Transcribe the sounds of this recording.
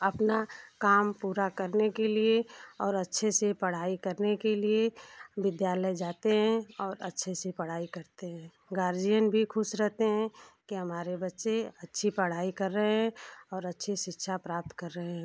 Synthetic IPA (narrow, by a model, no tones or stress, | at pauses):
ɐpnakaːmpuːɾakəɾnekelieɔːɾɐtːʃʰesepɐɽ̤aːikɐɾnekelieʋɪd̪jaːləjd͡ʒaːt̪eɦɛ̃ɔːɾɐ̰tːʃʰesepɐɽ̤aːikɐɾt̪eɦɛ̃ː | ɡaːɾd͡ʒijənbʱikʰʊʃɾɛɦt̪eɦɛ̃kiɦɐmaːɾebɐtːʃeɐtːʃʰipɐɽ̤aːikɐɾːəɦeɦɛ̃ɔːɾɐtːʃʰiʃɪtːʃʰapɾaːp̚t̪kɐɾːəɦeɦɛ̃ː